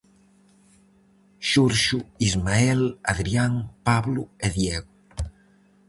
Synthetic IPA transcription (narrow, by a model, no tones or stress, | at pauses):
ʃuɾʃuizmaɛla̰ðɾiaŋpaβlueðjeɣu